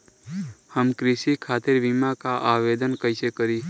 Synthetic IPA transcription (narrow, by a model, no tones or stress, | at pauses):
həmkɾisikʰaːt̪ɪɾʋimakaʔaʋed̪ənkəɪsekəɾi